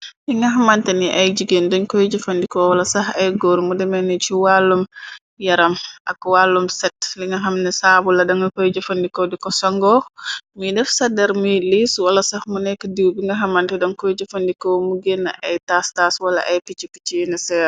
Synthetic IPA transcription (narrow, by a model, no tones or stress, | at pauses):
liŋɡɐɦɐmantɛniʔɐjd͡ʒiɡendɔɲkɔjd͡ʒɐfɐndikɔwɐlɐsɐhɐjɡɔːɾmudɛmɛnit͡ʃiwalːum | jɐɾɐmʔɐ̰kwaːlːumsɛt̚liŋɡɐɦɐmnɛsaːbulɐdɐŋɡɐkɔjd͡ʒɐfɐndikɔdikɔsɐŋɡɔːmudɛfsɐdɛɾmujliswɐlɐsɐhmunɛkːədiwbiŋɡɐɦɐmantɛdɔnkɔjd͡ʒɐfɐndikɔmuɡɛnːɐ̰ʔɐjtastaswɐlɐ̰ʔɐjkit͡ʃiki̥t͡ʃinɛsɛɾ